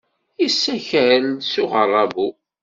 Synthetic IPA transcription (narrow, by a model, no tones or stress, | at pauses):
isːæçəɾənsʊʁərˤːɑvu